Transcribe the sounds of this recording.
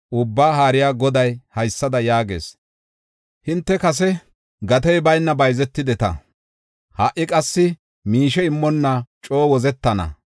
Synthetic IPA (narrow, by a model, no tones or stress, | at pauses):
ʔʊbːaːɦaːɾɪjaːɡɔd̪ɐjhɐjsːɐd̪ɐjaːɡḛːs | hɪnt̪ːɛkɐs̬ɛ | ɡɐt̪ɛjbɐjnːɐbɐjzɛt̪ːɪd̪ɛt̪ɐ̰ | hɐʔːɪkʼɐsːɪ | miːʃɛɪmːɔnːɐt͡ʃʼo̞ːwɔzɛt̪ːɐnɐ̰